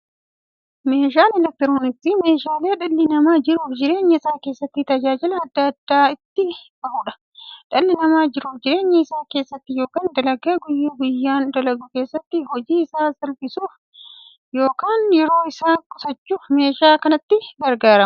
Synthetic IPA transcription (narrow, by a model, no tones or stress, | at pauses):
me̞ːʃaːnɛlɛk̚t̪ɪɾoːnɪt̪ːime̞ːʃaːle̞ːᶑɐlːɪnɐmaːd͡ʒɪɾuːfd͡ʒɪɾe̞ːɲːɐɪsaːke̞ːsːɐt̪ːɪt̪ɐd͡ʒaːd͡ʒɪlɐɐd̪ːɐɐd̪̥ːaːɪt̪ːɪb̥ɐʔuᶑɐ̥ | ᶑɐlːɪnɐmaːd͡ʒɪɾuːfd͡ʒɪɾe̞ːɲːɐɪsaːke̞ːsːɐt̪ːɪjo̞ːkaːnd̪ɐlɐɡeːɡʊjːuːɡʊjːaːnd̪ɐlɐɡuke̞ːsːɐt̪ːɪhɔd͡ʒiːɪsaːsɐlpɪsuːf | jo̞ːkaːnjɛɾo̞ːɪsaːkʼsɐt͡ʃːuːfme̞ːʃaːkɐnɐt̪ːɪɡɐɾɡaːɾɐm